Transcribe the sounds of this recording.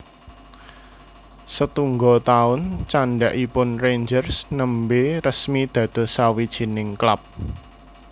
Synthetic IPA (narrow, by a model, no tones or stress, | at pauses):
sət̪uŋɡɔt̪aʊnt͡ʃaɳɖaʔipʊnrend͡ʒərsnəmberəsmid̪̥ä̤d̪̥ɔ̤sawid̥ʒ̥i̤nɪŋklap̚